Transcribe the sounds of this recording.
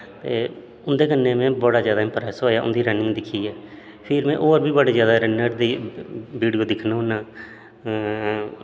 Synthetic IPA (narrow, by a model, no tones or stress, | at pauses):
t̪eː | ʊnd̪eːkənːẽːmɛ̃ːbəɽaːzjaːd̪ãːpəɾɛːsɦoːjaːʔʊ̰nd̪iːɾɛːnɪ̃ŋɡd̪ɪkʰːiːɛː | pʰɪɾmɛ̃ːʔoːɾbiːbəɽeːzjaːd̪aːɾɪnəɾd̪iːbiːɖijoːd̪ɪkʰnãɦʊnãː